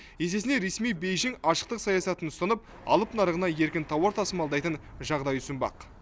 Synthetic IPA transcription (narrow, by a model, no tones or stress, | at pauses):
je̞se̞sɪneɾe̞smijbejʒɪŋɑʃə̥qt̪əqsɑjɑsɑt̪ənʊst̪ɑnəp̚ | ɑ̰lˠəpnɑɾəʁənɑje̞ɾkʲɪnt̪ʰɑwɑɾt̪ʰɑsəmɑlˠd̪ɑjt̪ənʒɑʁd̪ɑjʏsɪmbɑ̰q